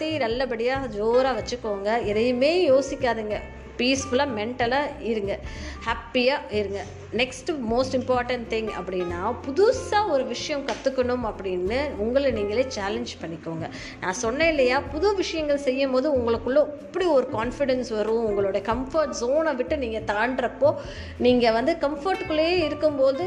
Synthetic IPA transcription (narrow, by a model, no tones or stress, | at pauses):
t̪ːiːnɐlːɐbɐɽɪjaːd͡ʒoːɾaːʋɐt͡ʃːɯkːoːŋɡɐɛðɐjɯmeːjoːsɪkʲːaːðɯŋɡɐ | piːsfʊlaːmɛɳʈɐlaːɪɾɯŋɡɐhaːpːijaːɪɾɯŋɡɐ | nɛksʈmoːsʈɪmpaːɾʈɐɳʈt̪ɪ̃ŋɐ̰pːɐɽɪnːaːpʊðʊsaːɔɾɯʋɪʂɐjɐ̃mkɐt̪ːɯkːɐɳɯmɐpːɐɽɪnːɯʊŋɡɐɭniːŋɡɐɭeːt͡ʃaːlɛɲd͡ʒpɐɳːɪkːoːŋɡɐ | nã̰ːsɔnːɐɪlːɐjaːpʊðʊʋɪʂɐjɐŋɡɐɭsɛjːɐmboːðɯʊŋɡɐɭɯkːɯɭːõɛpːɐɽiɔɾɯkaːnfɪɽɛnsʋɐɾɯ̃ʊŋɡɐɭoːɽɐjɐkɐmfɐɾʈsoːnɐʋɪʈːɯniːŋɡɐt̪aːɳɖɾɐpːoː | niːŋɡɐʋɐnd̪ɯkɐmfoɾʈkːɯɭːɐeːɪɾɯkːɯmboːðɯ